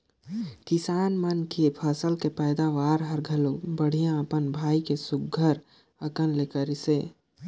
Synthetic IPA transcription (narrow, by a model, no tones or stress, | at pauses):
kɪsaːnmənkepʰɐsəlkepɛːd̪aʋaːɾɦəɾɡʱɐlõbəɽ̤ijãəpənbʱaːikesʊɡʱəɾ | əkənlekəɾɪseː